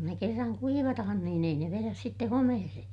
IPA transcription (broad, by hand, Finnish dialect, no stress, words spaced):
ne kerːɑŋ kuiʋɑtɑhɑn niːn ei ne ʋeræs sitːe homehese